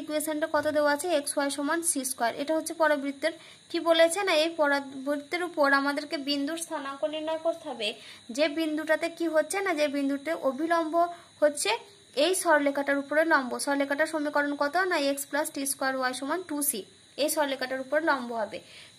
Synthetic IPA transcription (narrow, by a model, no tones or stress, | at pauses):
ikuesenʈakɔt̪od̪eoaat͡ɕʰeeksoajʃomansiskoaɾʔḛʈaɦotːɕʰepɔɾabɾid̪ːeɾ | kibolet͡ɕʰenaejpɔɾabɾid̪ːeɾupoɾamad̪eɾkebind̪uɾst̪ʰanakoniɾnɔekoɾt̪ʰabed͡ʑebind̪uʈat̪ekiɦotːɕʰenad͡ʑebind̪uʈeʔobʱilɔmbʱo | hotːɕʰe | ejʃɔɾlekʰaʈaɾupoɾelɔmboʃɔɾlekʰaʈaɾʃomikɔɾonkɔt̪onajeksplasʈiskoaɾoajʃomanʈusi | ejʃɔɾlekʰaʈaɾupoɾelɔmboɦɔbe